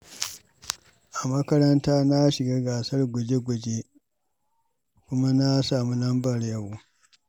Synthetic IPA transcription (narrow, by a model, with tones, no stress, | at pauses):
ʔa˨mɐ˦kɐ˦ɾɐ˦ntaː˦na˦ʃɪ˨ɡaː˦ɡaː˨sɐ˦rɡʷʊ˨d͡ʒe˦ɡʷʊ˨d͡ʒe˦ | kʷʊ˦ma˦na˦saː˨mu˦lɐ˦mbɐ˨rjɐ˦wu˦